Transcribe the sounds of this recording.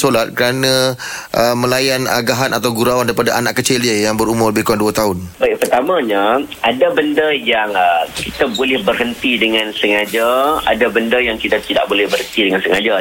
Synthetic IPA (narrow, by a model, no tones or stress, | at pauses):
solat̪̚kəɾanãʔəmə̃lajanaɡaɦanat̪awɡuɾawandaɾipadaʔanaʔkət͡ʃelajaŋbəɾumʊrbekuanduat̪aɦʊnbaj̚pərt̪amãɲaʔadabəndajaŋəkit̪abolɛhbərɦənt̪idəŋãnsəŋad͡ʒaa̰dabəndajaŋkit̪at̪ida̰ʔ̚bolɛhbərhɦənt̪idəŋansəŋad͡ʒa